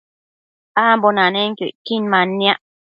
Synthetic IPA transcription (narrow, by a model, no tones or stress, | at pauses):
aːmbonaneŋkoʔkinmanːĩaʔ